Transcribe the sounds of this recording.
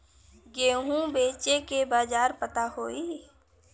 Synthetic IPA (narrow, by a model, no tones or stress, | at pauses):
ɡeːɦũbeːt͡ʃekebaːd͡ʒaːɾpət̪aɦoːiː